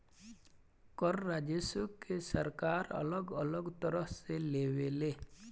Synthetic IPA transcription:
kɔɾːad͡ʒesukesəɾkaɾə̰lɔɡəlɔɡt̪ɔɾɔɦselewele

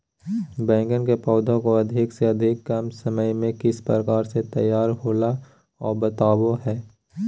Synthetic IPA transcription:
bɛ̃ːŋɡənkepɔːd̪ʱõkoɐd̪ʱɪkseɐd̪ʱɪkːɐmsəməjmẽkɪspɾəkaːɾset̪ɐjːaːɾɦoːla | ɔ̰ːɾbət̪aːwoɦɛː

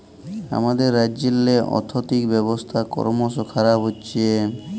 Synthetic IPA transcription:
a̰mad̪eɾːaːd͡ʑelːeʔɔ̰t̪ʰot̪ikbɛbost̪ʰakɔ̰ɾmoʃokʰaɾabɦoːɕʰie

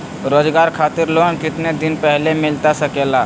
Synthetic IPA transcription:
ɾod͡ʒɡaɾkʰat̪ɪɾlonkɪt̪ned̪inpɛɦlemɪlt̪asəkela

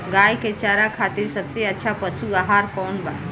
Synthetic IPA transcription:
ɡaːjket͡ʃaːɾakʰaːt̪ɪɾsɐbseɐtːʃʰapəsubaɦaɾkɔːnba

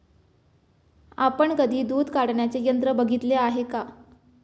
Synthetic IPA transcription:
apəɳkəd̪ʱiːd̪uːd̪ʱkaɽɳjat͡sejənt̪ɾəbəɡʱit̪leaɦeka

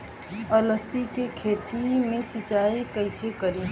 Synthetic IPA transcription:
ələsikekʰeːt̪imẽsɪt͡ʃaːikəɪsekəɾiː

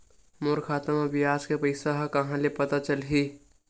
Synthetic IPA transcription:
moɾkʰaːt̪əmabɪjaːskepəɪsaɦakɐɦãlepɐt̪at͡ʃəlɦi

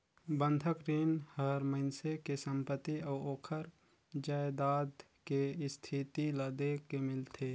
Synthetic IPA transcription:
bə̃nd̪ʱəkɾiːnhəɾməɪnsekesə̃mpət̪ːiɔːoːkʰəɾ | d͡ʒaːed̪aːd̪ | kest̪ʰit̪ilad̪eːkkːemɪlt̪ʰeː

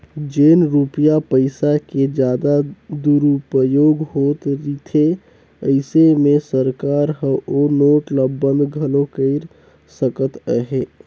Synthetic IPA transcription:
d͡ʒenɾupijapəɪsaked͡ʒjaːd̪ad̪uɾupəjoːɡɦot̪ɾit̪ʰe | əɪsemesəɾkaɾɦəonoːʈləbːənd̪ɡʱəlokəɪɾ | səkət̪əɦe

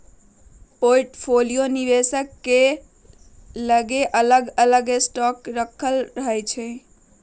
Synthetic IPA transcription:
poʈpʰolijoniʋesəkːe | ləɡeʔələɡələɡesʈɔkɾəkʰəlɾəɦɛt͡ʃʰɛ

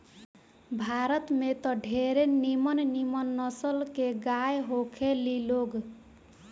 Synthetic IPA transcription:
bʱaɾət̪met̪ɔɖʱeɾenimənnimənːʌsəlkeɡajɦokʰeliloɡ

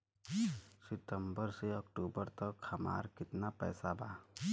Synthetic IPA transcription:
sɪʈ̪əmbəɾseɔkʈuːbəɾt̪əkhɐma̰ːɾkɪt̪napɛ̰ːsabaː

